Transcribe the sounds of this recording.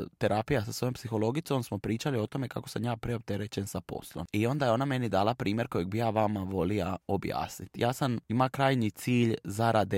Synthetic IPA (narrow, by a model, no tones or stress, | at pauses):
t̪e̞ɾaːpijasasʋo̞jompsixo̞lo̞ɡitso̞msmo̞pɾiːt͡ʃalio̞t̪o̞me̞kako̞samjaːpɾeo̞p̚t̪e̞ɾe̞t͡ɕe̞nsapo̞̰slo̞̰mio̞nd̪ajeo̞name̞nid̪aːlapɾiːmje̞ɾko̞jeɡ̚bijaːʋamaʋo̞lijao̞bja̰ːsnit̪jʔaːsamimakɾaːjnit̪siːʎzaɾad̪e